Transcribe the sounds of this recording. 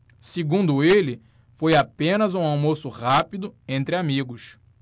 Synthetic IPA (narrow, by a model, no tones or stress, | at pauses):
seɡũnd̪ʊelɪ | fojapẽnɐzũawmosʊʁapid̪ʊẽnt̪ɾɪamiɡʊs